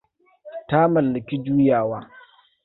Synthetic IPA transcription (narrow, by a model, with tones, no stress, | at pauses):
ta˦mɐ˨lːɪ˨kʲi˦d͡ʒuː˦jaː˨waː˦